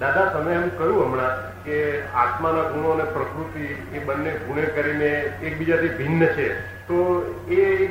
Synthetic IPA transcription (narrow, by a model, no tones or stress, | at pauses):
d̪ad̪ʱasəməjɛmũkəɦjũɦəmɽã | kea̰t̪manaɡʱuɽ̃onepɾəkɾut̪i | ebənːeɡʱuɽ̃ekəɾineek̚bid͡ʒat̪ʰibʱinːət͡ʃʰe | t̪oe